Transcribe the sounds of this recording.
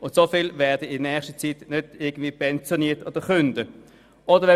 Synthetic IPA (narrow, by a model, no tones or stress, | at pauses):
ʔʊntsofɪlvɛːɐdəɪdnɛχʃtət͡sitnød̥ɪɐɡən̩dviːpʰɛnt͡sjoniːɐtod̥əχʏnd̥ə | ʔodəʁʋɛ